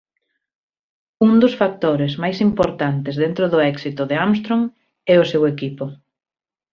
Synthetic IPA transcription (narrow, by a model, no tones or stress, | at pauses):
und̪ʊsfak̚t̪oɾezmajsimpoɾt̪ant̪ɪzðent̪ɾʊðʊɛksit̪ʊðɪams̬t̪ɾoŋ | ɛʊsewekipʊ